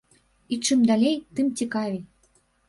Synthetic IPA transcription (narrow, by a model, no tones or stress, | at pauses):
it͡ʃːɨmd̪alʲejt̪ɨmtʲikɑvʲi